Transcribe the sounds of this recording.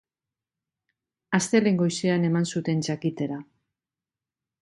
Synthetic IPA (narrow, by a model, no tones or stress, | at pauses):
ast̪e̞le̞ŋɡo̞jsiane̞mansut̪e̞nt͡ʃakit̪e̞ɾa